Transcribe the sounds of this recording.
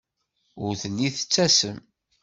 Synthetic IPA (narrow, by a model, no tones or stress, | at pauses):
ʊɾθəlːiθə̥t͡sːæsəm